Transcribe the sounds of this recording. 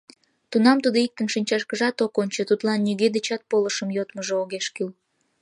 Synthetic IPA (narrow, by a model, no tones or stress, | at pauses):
t̪unɑmt̪ud̪oik̚t̪ənʃinʲt͡ɕɑʃkəʒɑt̪okonʲt͡ɕot̪ut̪lɑnːyɣed̪et͡ɕɑt̪̚poləʃəmjot̪məʒooɣeʃkyl